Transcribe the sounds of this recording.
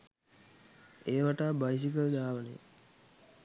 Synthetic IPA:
eːʋaʈaːbajs̬ikəld̪aːʋənḛ

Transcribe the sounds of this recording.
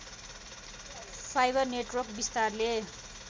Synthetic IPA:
sajbʌrneʈwʌrk̚bist̪arle

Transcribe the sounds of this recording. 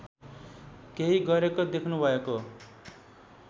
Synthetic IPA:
keɦiɡʌɾekod̪ekʰnubʱʌeko

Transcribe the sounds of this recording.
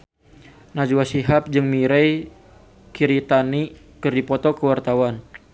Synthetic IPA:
nad͡ʒuwasiɦap̚d͡ʒɨŋmiɾɛj | kʰiɾit̪ani | kɨrdipɔt̪ɔkəwart̪awan

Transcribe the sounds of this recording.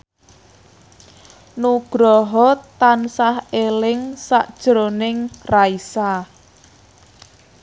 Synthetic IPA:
nuɡ̥ɾɔɦɔt̪ansahelɪŋsaʔd̥ʒ̥ɾonɪŋraisa

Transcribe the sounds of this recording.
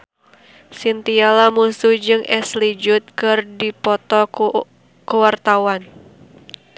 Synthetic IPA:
sint̪ialamusud͡ʒɨŋʔɛslid͡ʒʊt̪̚kɨrdipɔt̪ɔ | kəwart̪awan

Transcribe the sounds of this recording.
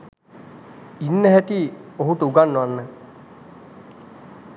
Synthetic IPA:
inːəɦæʈ̪ioɦuʈ̪əuɡanːuʋanːə

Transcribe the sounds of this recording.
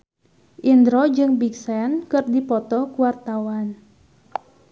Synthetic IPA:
ʔind̪ɾod͡ʒɨŋbiksɛnkɨrdipɔt̪ɔkuwart̪awan

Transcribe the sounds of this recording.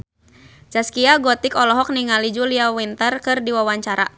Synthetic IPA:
d͡ʒaskiaɡɔt̪ikɔlɔɦɔk̚niŋalid͡ʒuliawint̪ərkɨrdiwawaɲt͡ʃaɾa̰

